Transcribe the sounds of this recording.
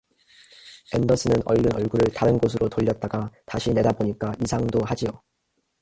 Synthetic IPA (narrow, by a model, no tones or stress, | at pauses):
e̞ndʌs͈ʰɯnɯnʌɭːɯnʌɭɡuɾɯɭtaɾɯnɡos̬ʰɯɾotoʎːʌt̚t͈aɡataɕʰine̞daboɲik͈aʔisʰaŋdoɦad͡ʑio